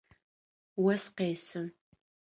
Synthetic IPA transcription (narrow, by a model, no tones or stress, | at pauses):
wɐsqeːsɨm